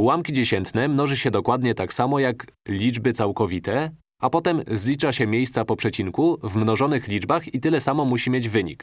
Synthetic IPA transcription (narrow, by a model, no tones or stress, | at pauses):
wamkʲid͡ʑeɕɛnt̪nɛmnɔʐɘɕɛd̪ɔkwad̪ɲɛt̪aksamɔjaklʲid͡ʐbɘt̪sawkɔvʲit̪ɛ | apɔt̪ɛmzlʲit͡ʂaɕɛmʲjejst̪sapɔpʂɛt͡ɕiŋkuvmnɔʐɔnɘxlʲid͡ʐbaxit̪ɘlɛsamɔmuɕimʲjed͡ʑvɘɲḭk